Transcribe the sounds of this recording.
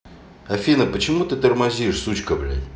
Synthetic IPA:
ɐfʲinəpət͡ɕɪmut̪ɨt̪ərmɐzʲiɪʂsut͡ɕkəblʲa̰

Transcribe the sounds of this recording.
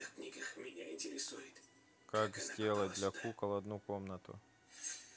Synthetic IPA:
xknʲiɡəxmʲɪnʲaɪnʲtʲɪɾʲɪsujɪt̪ | kakzʲdʲe̞lˠət̚ʲd̪lʲɐkukəlˠɐd̪nukomnət̪ʊ̰

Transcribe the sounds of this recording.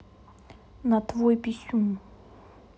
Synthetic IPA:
nɐt̪vojpʲɪsʲum

